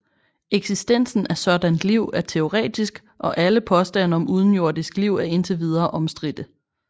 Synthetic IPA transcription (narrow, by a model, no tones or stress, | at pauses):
eɡ̥sisd̥en̰sn̩æsɒ̽d̥ænd̥liʊ̰æɐt͡sʰe̝o̝ʁɛ̰ːd̥isɡ̥ | ʔɒ̽ʔæləpʰɒ̽sd̥æn̰ɒ̽muð̞ˠn̩jo̝ɐ̰d̥isɡ̥liʊ̰æɐe̝nt͡sʰeʋið̞ˠɐːʔɒ̽msd̥ʁid̥ə